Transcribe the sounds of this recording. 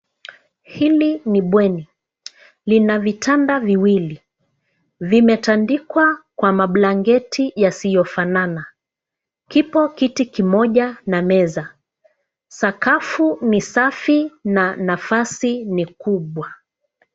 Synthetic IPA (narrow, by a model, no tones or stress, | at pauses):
hiliniɓwɛni | linavitʰandaviwili | vimɛtandikwakwamaɓlaŋɡɛtʰijasijɔfanana | kipɔkitikimɔʄanamɛza | sakafunisafinanafasinikuɓwa